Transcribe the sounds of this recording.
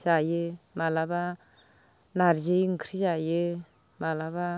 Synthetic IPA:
zajɯmalaba | naɾzeŋkʰɾizajɯ | malaβa

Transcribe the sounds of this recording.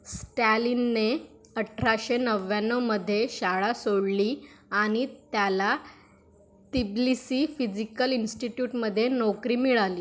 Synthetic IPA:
sʈælinːe | əʈʰɾaɕenəʋːjãnəməd̪ʱːjeɕaɭasoɽliaɽ̃it̪jala | t̪iblisiːfid͡ʑikəlinsʈiʈjuːʈməd̪ʱːjenɔkɾiːmiɭaliː

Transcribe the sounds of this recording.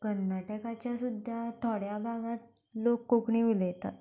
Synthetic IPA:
ɡənd̪əʈekat͡ɕjasud̪ʱat̪ʰɔɽjabʱaɡãt̪̚ | lokːokɳiʋilət̪a̰t̪

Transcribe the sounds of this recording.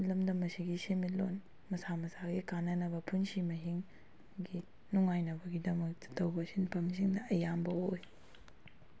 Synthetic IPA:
lɐmdɐmɐsiɡisemitlon | mɐsamɐsaɡikanɐnɐbɐpʰunsimɐɦiŋ | ɡi | nuŋajnɐbɐɡidɐmɐk̚tɐ̥tɐwbɐsinpʰɐms̬iŋdɐʔɐjambɐoj

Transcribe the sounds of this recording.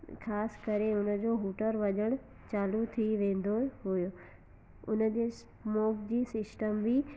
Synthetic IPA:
xʰaːskəɾeʊnə̆d͡ʑoɦuːʈəɾʋɐʄəɽ̃ | t͡ɕaːlut̪ʰiʋẽːn̆d̪oɦojo | ʊ̰nəd͡ʑeːs | moːkd͡ʑiːsɪsʈəmbʱi

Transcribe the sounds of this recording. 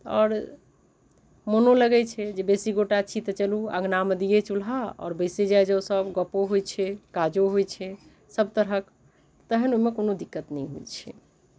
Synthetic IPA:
ɔːɾ | monoləɡɛt͡ʃʰɛd͡ʒebesiɡoʈat͡ʃʰit̪ət͡ʃəlua̰ɡnaməd̪ijet͡ʃulɦaɔ̰ːɾbəsed͡ʒajd͡ʒəsəbɡəpoɦojt͡ʃʰɛkad͡ʒoɦojt͡ʃʰɛ | səb̚t̪əɾɦək | t̪əɦənoimekonod̪ikːət̪nəjɦo̰jt͡ʃʰɛ

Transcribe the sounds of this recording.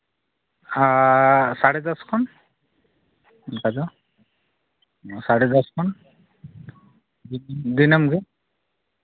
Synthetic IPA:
asaɽɛd̪ɔskʰɔn | ɡadɔ | saɽɛdɔskʰɔn | dind̪inamɡɛ

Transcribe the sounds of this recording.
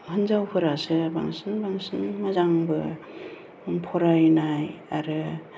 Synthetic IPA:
hɯnzawpʰɯɾasɯbaŋsɯnbaŋsɯnmazaŋbɯ | pʰɔɾajnajaɾɯ

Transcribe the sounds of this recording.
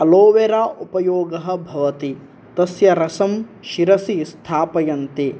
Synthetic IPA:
ɐloːʋeɾaːʔupɐjoːɡɐɦɐ̆bʱɐʋɐt̪i | t̪ɐsjɐɾɐsɐm | ʃiɾɐsist̪ʰaːpɐjɐnt̪i

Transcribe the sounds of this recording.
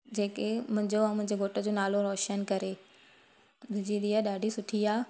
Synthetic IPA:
d͡ʑeːkemʊ̃ɦɪ̃ɲd͡ʑõːmʊ̃ɦɪ̃ɲd͡ʑeɡʱoːʈəd͡ʑoːnaːloɾɔːʃənkɐɾe | d̪ʊd͡ʑiɗ̪iːaɗaːɖʱisʊʈʰiaː

